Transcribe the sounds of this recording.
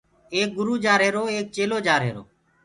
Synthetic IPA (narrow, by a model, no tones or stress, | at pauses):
eːk̚ɡʊɾuːd͡ʒaːɾɦeːɾoːeːk̚t͡ʃeːloːd͡ʒaːɾɦḛːɾo̰ː